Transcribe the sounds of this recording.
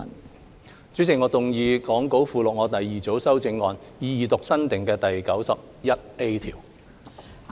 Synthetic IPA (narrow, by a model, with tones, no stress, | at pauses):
n | t͡sy˨˥t͡sɪ˨ŋɔː˨˧t̪ʊ˨ŋjiː˨˧kɔː˨˥ŋko˨˥wfuː˨˧lʊ˨k̚ŋɔː˨˧t̪ɐ˨jːiː˨t͡so˨˥wsɐ˥wt͡sɪ˧ŋːɔː˨njiː˨˧jiː˨t̪ʊ˨k̚sɐ˥nt̪ɪ˨ŋkɛː˧t̪ɐ˨jkɐ˨˥wsɐ˨p̚ | jɐ˥t̚e˥jt̪ʰḭː˨˩w